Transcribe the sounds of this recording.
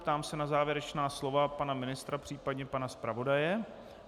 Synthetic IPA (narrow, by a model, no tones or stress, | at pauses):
pt̪aːmsɛnazaːvjɛɾɛt͡ʃnaːslo̞vapanamɪnɪst̪ɾapr̝̥iːpadɲɛpanaspɾavo̞dajɛ